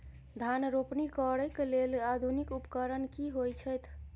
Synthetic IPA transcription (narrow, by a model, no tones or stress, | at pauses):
d̪ʱanɾopnikɔɾəjkelelad̪ʱunikupkəɾənkiɦojt͡ʃʰəjt̪ʰ